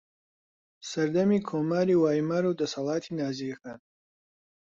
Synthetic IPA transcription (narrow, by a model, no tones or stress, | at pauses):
sɐɾd̪ɐmiːkʰoːmaːɾiːwaːjmaːɾuːd̪ɐsɑlˠaːt̪ʰiːnaːzixaːn